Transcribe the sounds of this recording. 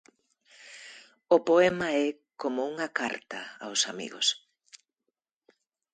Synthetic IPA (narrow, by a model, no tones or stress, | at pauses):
ʊpoɛmɐɛ | komʊuŋɐkaɾt̪ɐa̰wsamḭɣo̰s